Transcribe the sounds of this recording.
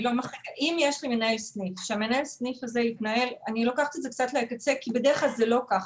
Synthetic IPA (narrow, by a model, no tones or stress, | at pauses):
lomaχekʔimjeʃlimenae̞lsnifʃeamenae̞lsnifaze̞it̪nae̞lanilo̞kaχt̪iezek̚t͡sat̪leakat͡se̞kibedeʁeχlalzelo̞kaχ